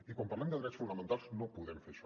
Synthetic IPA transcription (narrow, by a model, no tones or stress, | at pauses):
ikompaɾland̪əðɾɛtsfunəmẽnt̪alˠznopuðɛmfeɾʃɔ